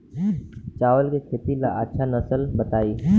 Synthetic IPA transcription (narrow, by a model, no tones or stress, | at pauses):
t͡ʃaːʋəlkesʰɪt̪ila̰ʔətːʃʰanɐsəlbət̪aːiː